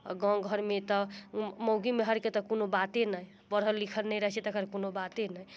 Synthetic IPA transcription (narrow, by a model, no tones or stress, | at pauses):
ɡɔ̃ŋɡʱəɾmet̪ɔməwɡimeɦəɾket̪ɔkonobat̪enəj | bəɾɦəlːikʰəlnəjɾəɦt͡ʃɛt̪əɡəɾkonobat̪enəj